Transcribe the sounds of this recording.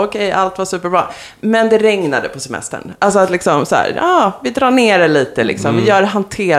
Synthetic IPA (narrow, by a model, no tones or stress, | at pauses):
ɔkʰɛjʔalt̪vaʂʉ̟ːpəɾbɾɑ̰ː | mɛnd̪ɛɾɛŋnad̪əpʰɔsɛmɛ̰st̪ə̰ɳʔalsɔat̪lɪksɔmsæ̰ːɾɑːvɪd̪ɾɑːɳeːɾɛliːt̪əlɪ̰ksɔmvɪjœːɖɛɦant̪ʰeːɾ